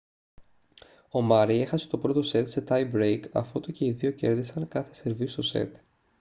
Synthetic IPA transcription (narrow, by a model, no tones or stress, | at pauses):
o̞mɐɾie̞xɐse̞t̪o̞pɾo̞t̪o̞se̞t̪se̞t̪ɐjbɾejkɐ̰fot̪oce̞iðio̞ce̞̰ɾðisɐŋkɐθe̞̥se̞ɾvist̪o̞se̞̰t̪